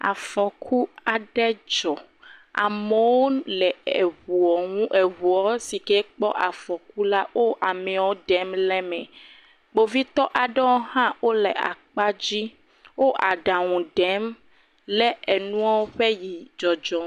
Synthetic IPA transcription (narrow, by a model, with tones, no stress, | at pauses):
a̰˨fɔ˨kʰu˦a˨ɖɛ˦d͡ʒɔ˨ | a̰˨me˨wo˦lɛ˨u˨ɔ˨ũ˦ʔe˨βu˨ɔ˨˦si˨kɛ˦k͡pɔ˦ʔa˨fɔ˨ku˦la˦wo˦ʔa˨mɛ̃˨wɔ˦ɖɛ˦mlɛ˦mɛ̃˨ | ɡ͡bo˨vi˦t̪ɔ˦ʔa˨ɖɛ˦wo˦hã˦wo˦lɛ˨a̰˨k͡pa˦d͡ʑi˦ | wo˦ʔa˨ɖa˨ŋũ˨ɖɛ˦m | lɛ˦e˨nũ˦ɔ˦wo˦ɸɛ˦ji˨d͡ʒɔ˨d͡ʒɔ˨˦